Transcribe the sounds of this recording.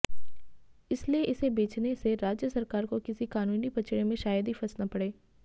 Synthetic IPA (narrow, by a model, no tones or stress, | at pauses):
ɪslieʔɪsebeːt͡ʃneseɾaːd͡ʒjəsɐɾkaːɾkokɪsikaːnuːnipɐt͡ʃʰɪɽemẽʃaːjəd̪ifʰɐsnapɐɽeː